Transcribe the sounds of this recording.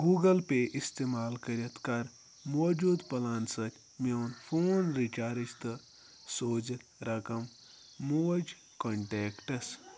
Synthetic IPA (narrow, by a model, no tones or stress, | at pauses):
ɡuːɡɐlpeʔist̪eːmaːlkɐɾɐt̪kɐɾ | moːd͡ʒuːd̪pɐlaːnt̪sɐkʲ | mewnfʰoːnɾit͡ʃaːɾit͡ʃt̪ɨ | soːd͡ʒɐt̪ɾɐkɐmː | od͡ʒ | koɳʈeːkʈɐs